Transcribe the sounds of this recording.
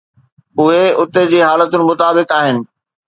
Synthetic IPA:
ʊɦeʊt̪ed͡ʑiːɦaːlət̪ʊnɪ̆mʊt̪aːbɪkaːɦɪnɪ̆

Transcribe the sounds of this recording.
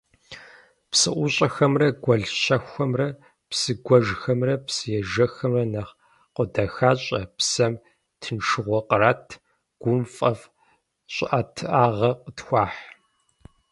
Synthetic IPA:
psɨʔʷʊɕʼɐxɐmrɐɡʷɐɮɕɐxʷɐmrɐ | psɨɡʷɔʒxɐmrɐpsɨjɛʒɐxɐmrɐnɐχ | qʷədɐxaːɕʼɐpsɐm | tʰɨnʂɨʁʷɔqəraːtʰ | ɡ̥ʷʊmfʼɐf | ɕʷʼʔatʰɨʔaːʁɐqətxʷaːħ

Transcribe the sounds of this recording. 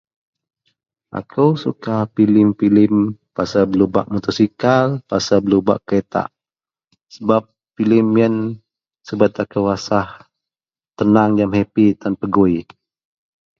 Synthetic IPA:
ʔa̰kʰəwsukapilɪmpilɪmpasabəluba̰ʔmut̪ɔsikalpasabəluba̰ʔket̪a̰ʔ | səbap̚ | filɪmjən | səbat̪akəwasah | t̪ənaŋjamɦepit̪anpəɡoi

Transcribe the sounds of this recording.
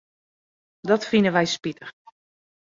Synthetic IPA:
dɔtfinəʋɛjspitəx

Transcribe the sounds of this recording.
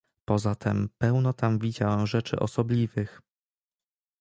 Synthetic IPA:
pɔzat̪ʰɛmpɛwnɔt̪amvʲid͡ʑawɛmʐɛt͡ʂɘ̰ʔɔ̰sɔblʲivɘx

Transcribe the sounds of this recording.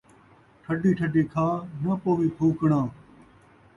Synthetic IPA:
ʈʰəɖiːʈʰəɖiːkʰaːnəpoːʋiːpʰuːkɳãː

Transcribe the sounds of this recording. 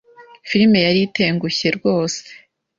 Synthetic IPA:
fiɾime̞jaɾite̞ːŋɡuçe̞ɾɡo̞ːse̥

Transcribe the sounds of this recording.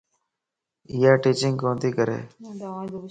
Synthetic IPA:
ɪjaːʈiːt͡ʃɪŋkõːnd̪iːkəɾḛː

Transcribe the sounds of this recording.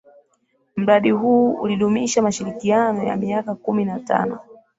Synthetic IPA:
m̩ɾaɗiɦuːṵliɗumiʃamaʃiɾikianɔja̰miakakuminata̰nɔ

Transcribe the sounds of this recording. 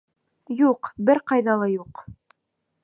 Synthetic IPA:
juqbɘɾqɑjðɑlˠɑjuq

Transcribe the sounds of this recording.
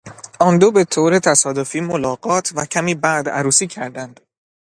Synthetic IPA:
ʔɒːnd̪obe̞t̪ʰoːɾet̪ʰæsɒːd̪ofiːmolɒːɡɒːt̪ʰvæcʰæmiːbæd̪æ̰ɾuːsiːcʰæɾd̪ænd̪̥

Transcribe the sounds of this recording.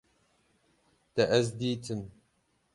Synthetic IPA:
t̪ɐʔɛzd̪iːt̪ʰɨm

